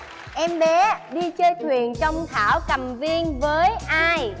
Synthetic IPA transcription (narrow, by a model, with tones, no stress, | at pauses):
ʔɛ˧mɓe˨˦ɗi˧t͡ɕəː˧jt̪ʰwi˨˩ənt͡ɕɔ˧wŋ͡mt̪ʰaː˧˩wkə˨˩mvi˧ənvəː˨˦jʔaː˧j